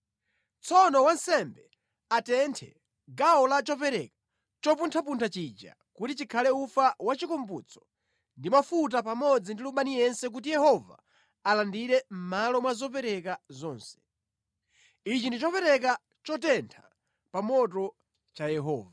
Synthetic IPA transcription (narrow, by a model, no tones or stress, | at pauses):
t͡sʰɔnɔwansɛmbɛ | atɛntʰɛ | ɡaɔlat͡ʃɔpɛɾɛkḁ | t͡ʃɔpuntʰapuntʰat͡ʃid͡ʒa̰ | kutit͡ʃikʰalɛufawat͡ʃikɔmbut͡sʰɔ̥ | ndimafut̬apamɔd͡zindiluɓanijɛnsɛk̬utijɛhɔva̰ː | landiɾɛm̩malɔmwazɔp̬ɛɾɛkazɔːnsɛ̥ | it͡ʃindit͡ʃɔpɛɾɛk̬a | t͡ʃɔtɛntʰḁ | pamɔt̬ɔ | t͡ʃajɛɦɔ̰ːva